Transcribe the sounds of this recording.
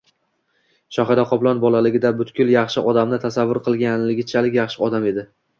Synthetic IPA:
ʃɒχad̪aqʰɒplˠɒnbɒlˠalɪɡʲɪd̪abʊt̪kʲʊlˠjɑχʃɪʔɒd̪amnɪt̪ʰasavːʊɾqʰɨlˠɡʲanlɪɡʲɪt͡ʃʰalɪkʲjɑχʃɪɒd̪ame̞d̪ɪ

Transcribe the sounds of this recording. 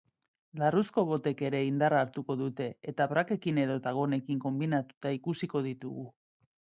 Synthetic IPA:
larusko̞β̞o̞t̪e̞ke̞ɾe̞ind̪araːɾt̪uko̞ðut̪e̞et̪aβɾake̞kine̞ðo̞t̪aɣ̞o̞ne̞kiŋko̞mbinat̪u̥t̪aikusiko̞ð̞it̪ṵɣu

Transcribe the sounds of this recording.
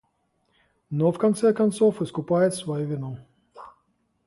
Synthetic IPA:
nofkɐnt̪sɛkɐnt̪sofɨskʊpajɪt̪svɐjuvʲɪnu

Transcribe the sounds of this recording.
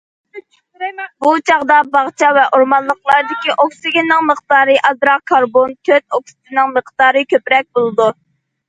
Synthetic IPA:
but͡ʃʰɑʁd̪ɑbɑʁt͡ʃʰɑvɛʔoɾmɑnlˠəqlˠɑɾd̪ɪkʲiʔoksɪɡʲɪnːɪŋməqt̪ɑːɾɨʔɑzɾɑkʰɑɾbont̪ʰøt̪̚oksɪ̥t̪ɪnɨŋməqt̪ɑːɾɨkʲøpɾɛk̚ʲbolˠɨd̪u

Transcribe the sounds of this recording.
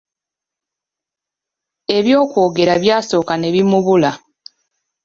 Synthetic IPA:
e̞βjo̞ːkwo̞ːɡe̞ɾaβjaːso̞ːkane̞βimuβula

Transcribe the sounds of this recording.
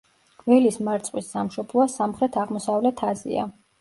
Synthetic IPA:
vɛlismaɾt̪sʼqʼwisːamʃɔblˠɔasamχɾɛt̪ʰaʁmɔsavlɛt̪ʰazḭa̰

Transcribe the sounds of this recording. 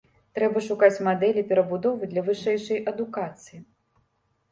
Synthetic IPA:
t̪ɾɛbɐʂukat͡sʲmad̪ɛlʲipʲɛɾɐbud̪ɔvɨd̪lʲɐvɨʂɛjʂɐjʔɐd̪ukat̪sɨji

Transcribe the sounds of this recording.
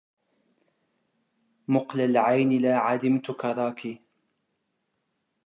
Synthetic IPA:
mʊqlalʕajnɪlaːʕadɪmt̪ʊkɑɾˤɑːkiː

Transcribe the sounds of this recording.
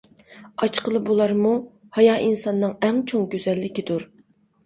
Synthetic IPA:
ɑt͡ʃqʰəlˠɨbolˠɑɾmu | hɑjɑːʔinsɑnːɨŋɛŋt͡ʃʰoŋɡʲøzɛlːɪkʲid̪uɾ

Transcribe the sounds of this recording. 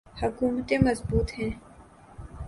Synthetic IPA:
hɐkuːmt̪ẽmɐzbuːt̪ɦɛ̃ː

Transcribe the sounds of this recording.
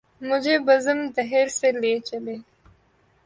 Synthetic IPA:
mʊd͡ʒebɐzəmd̪ɐɦeɾseleːt͡ʃele

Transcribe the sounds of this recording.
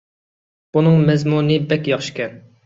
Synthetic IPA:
b̥unɨŋmɛzmunɨbɛkʲjɑχʃi̥kʲɛn

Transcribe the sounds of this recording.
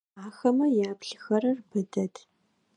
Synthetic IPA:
aːxɐmɐjaːpɬɨxɐɾɐrbɨdɐtʰ

